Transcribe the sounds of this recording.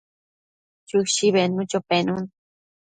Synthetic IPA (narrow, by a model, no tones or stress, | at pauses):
t͡ʃuʃiβenũt͡ʃopenun